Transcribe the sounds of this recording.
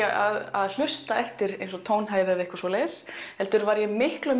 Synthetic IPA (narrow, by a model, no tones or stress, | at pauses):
a̰ðaðl̥ʏst̪aɛht̪ɪɾejnsɔt̪ʰoːwnɦaːjðɪɛvɪhkvasoːlɛsɛlt̪ʏɾvaɾjɛmɪhklœm